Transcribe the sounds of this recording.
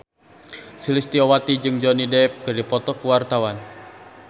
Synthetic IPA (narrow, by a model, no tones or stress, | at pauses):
silist̪iɔwat̪id͡ʒɨŋd͡ʒɔnidɛp̚kɨrdipɔt̪ɔkuwart̪awan